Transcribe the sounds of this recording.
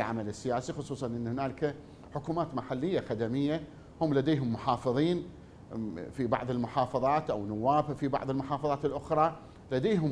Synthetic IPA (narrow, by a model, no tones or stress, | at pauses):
lʕa̰malɪsːɪjaːsixʊsˤuːsˤɑnʔɪnːhɪnaːlka | ħʊkuːmaːt̪maħalːɪjːaxad̪amɪjːa | hʊmːlad̪eːɦʊmːʊħɑːfɨðˤiːn | fibɑ̰ʕðˤɪlmʊħɑːfɑðˤɑːt̪ʔawnʊwːaːbfibɑ̰ʕðˤɨlmʊħɑːfɑðˤɑːt̪ɪlʔʊxɾˤɑ | lad̪eːɦʊm